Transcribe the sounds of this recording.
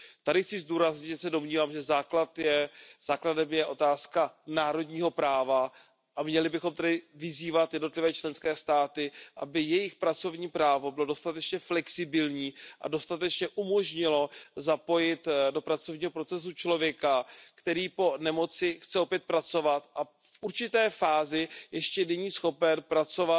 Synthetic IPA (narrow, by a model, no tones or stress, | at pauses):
t̪adɪxt͡sɪzduːɾazɲɪʒɛsɛdo̞mɲiːvaːmʒɛzaːklat̪jɛz̥aːkladɛmjɛʔo̞t̪aːskanaːɾo̞dɲiːɦo̞pɾaːva | ʔamɲɛlɪbɪxo̞mt̪ɛdɪvɪziːvat̪jɛdno̞t̪lɪvɛːt͡ʃlɛnskɛːst̪aːt̪ɪʔabɪjɛjɪxpɾat͡so̞vɲiːpɾaːvo̞bɪlo̞do̞st̪at̪ɛt͡ʃɲɛflɛksɪbɪlɲiːʔa̰do̞st̪at̪ɛt͡ʃɲɛʔumo̞ʒɲɪlo̞zapo̞jɪt̪do̞pɾat͡so̞vɲiːɦo̞pɾo̞t͡sɛs̬ut͡ʃlo̞vjɛkakt̪ɛɾiːpo̞nɛmo̞t͡sɪxt͡sɛo̞pjɛt̪̚pɾat͡so̞vat̪ʔa | fʔuɾt͡ʃɪt̪ɛːfaːzɪjɛʃcɛnɛɲiːsxo̞pɛnpɾat͡so̞va